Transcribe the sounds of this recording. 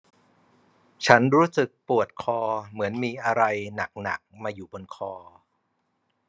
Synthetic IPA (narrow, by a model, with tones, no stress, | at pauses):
t͡ɕʰa˦˥nɾuː˦˥sɯ˨˩k̚pu˨˩ət̪̚kʰɔː˧mɯ˩˦ənmiː˧ʔa˧ɾa˧jna˨˩k̚na̰˨˩k̚maː˧juː˨˩bo˧nkʰɔː˧